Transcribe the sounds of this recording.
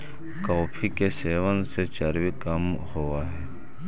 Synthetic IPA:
kɔːpʰikeseːʋənset͡ʃɐɾwikɐmhoaɦɛː

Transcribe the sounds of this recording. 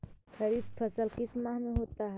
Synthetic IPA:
kʰəɾid̪̚pʰəsəlkismameɦot̪aɦɛ

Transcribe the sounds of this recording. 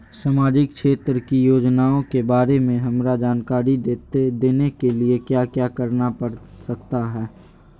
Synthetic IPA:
samaːd͡ʒɪk̚ʃeːt̪ɾəkijoːd͡ʒnaːõkebaːɾemẽɦɐmɾad͡ʒaːnkaːɾieed̪eːnekeliekjaːkjaːkəɾnapəɽsɐkt̪aɦɛː

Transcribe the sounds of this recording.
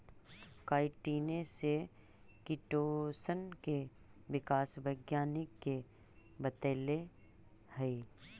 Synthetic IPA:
kaːɪʈiːnese | kɪʈoːsənke | ʋɪkaːsʋəɪɡjaːnɪkːe | bət̪eːle | həi

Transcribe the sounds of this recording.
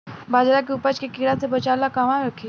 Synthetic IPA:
baːd͡ʒɾak̬iʊpət͡ʃkekiɽasebɐt͡ʃaːlakaʋãɾəkʰi

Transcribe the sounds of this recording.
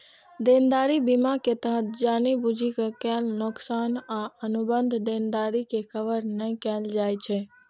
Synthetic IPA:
d̪end̪aːɾibimaket̪əɦət̪̚d͡ʒaːnibud͡ʒʱikakɛlnʊksaːnaənubənd̪ʱd̪end̪aːɾikekʰəʋəɾnə̃kɛːld͡ʒaːjt͡ʃʰɛ

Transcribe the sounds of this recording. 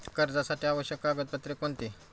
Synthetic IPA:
kəɾd͡zasaʈiaʋəɕjəkːaːɡət̪̚pət̪ɾekoɳt̪i

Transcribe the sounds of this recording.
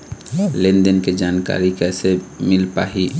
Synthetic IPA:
lẽnd̪ənked͡ʒaːnka̰ːɾikɛːsemɪlpa̰ːɦi

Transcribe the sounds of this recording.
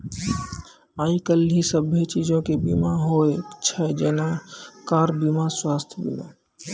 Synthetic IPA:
aːikəlɦisəbet͡ʃiːd͡ʒõkebḭmaɦoet͡ʃʰɛd͡ʒɛːnakaːɾbimaswaːst̪ʰjbḭma̰

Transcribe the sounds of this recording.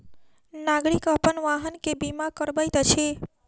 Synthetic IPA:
naɡɽikəpənʋaɦənkebimakəɾbəjt̪ət͡ʃʰe

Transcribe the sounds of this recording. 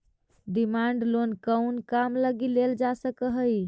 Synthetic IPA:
ɖimaɳɖlonkəwnkamləɡileld͡ʒasəkəɦəj

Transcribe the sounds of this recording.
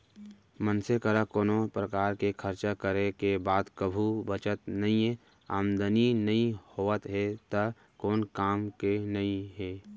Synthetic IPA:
mənsekəɾakoːnopɾəkaːɾkekʰəɾt͡ʃakəɾekebaːd̪kəbʱubət͡ʃət̪nɐɦĩɛ | aːmd̪əninɐɦĩhoːət̪ɦɛt̪ɐ | koːnkaːmkenɐĩɦɛː

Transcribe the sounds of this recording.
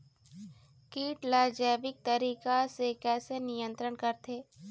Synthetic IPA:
kiːʈlaːd͡ʒɛːʋɪk̚t̪ɐɾiːkasekɛːsenijə̃nt̪ɾəɳkɐɾt̪ʰeː

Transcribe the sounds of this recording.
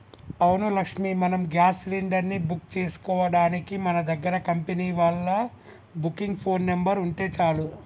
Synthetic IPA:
ɐwnulɐkʂmimɐnɐmɡjaːsliɳɖɐɾnibukt͡ʃe̞ːsu̥kɔːʋɐɽaːnikimɐnɐd̪ɐɡːɐɾɐkɐmpeniːʋɐɭːɐ | bukːiŋɡpʰo̞ːnːembɐɾuɳʈe̞ːt͡ʃaːlu

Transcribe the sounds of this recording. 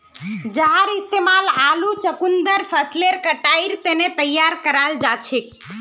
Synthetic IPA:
d͡ʒəɦaɾɪst̪emalalut͡ʃəkund̪əɾpʰəsleɾkəʈaiɾt̪enet̪əjːaɾkəɾald͡ʒat͡ʃʰek

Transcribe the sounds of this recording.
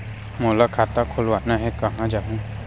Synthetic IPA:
moːlakʰaːt̪akʰolwaːnaɦɛkɐɦãd͡ʒaːɦũ

